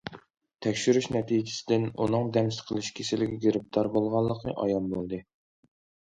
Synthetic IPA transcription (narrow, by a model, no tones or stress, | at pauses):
t̪ʰɛkʲʃyɾyʃnɛt̪ʰid͡ʒɪ̥sɪd̪ɪnṵnɨŋd̪ɛmst̪qʰəlˠɪʃkʲʰesɪlɪɡʲɛɡʲeɾɪp̚t̪ʰɑɾbolˠʁɑlˠːəqʰɨʔɑ̰jɑmbolˠd̪ɨ